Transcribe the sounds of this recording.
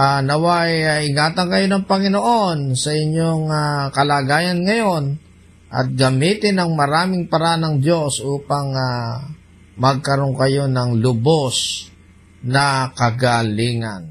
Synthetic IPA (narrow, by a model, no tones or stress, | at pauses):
anɐwajaɪŋaːt̪ɐŋkɐjo̞nɐŋpɐŋɪnoʔo̞nsɐʔɪɲjoŋakɐlaːɡaːjɐnŋɐjo̞n | ʔɐ̰t̪̚ɡɐmiːt̪ɪnɐŋmɐɾaːmɪŋpɐɾanɐŋd̪o̞sʔuːpɐŋa | mɐɡ̚kɐɾo̞ŋkɐjo̞nɐŋlʊbos | nɐkɐɡaliːŋɐ̰n